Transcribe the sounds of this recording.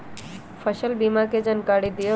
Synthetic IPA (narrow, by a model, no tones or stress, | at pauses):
pʰəʃəlbimaked͡ʒənkaɽid̪io